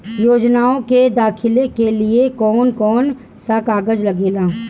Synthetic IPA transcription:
joːd͡ʒnaːõked̪aːkʰɪlekeliekɔːnkɔːn | sakaːɡəd͡ʒlɐɡeːlaː

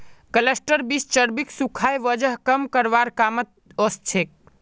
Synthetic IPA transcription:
kəlesʈəɾbist͡ʃəɾbiksukʰajʋəd͡ʒəɦkəmkəɾʋaɾkamət̪̚ost͡ʃʰek̚

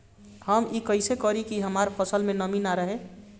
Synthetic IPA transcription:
həmikəɪsekɔɾikiɦəmaɾpʰəsəlmẽnəminaɾəɦe

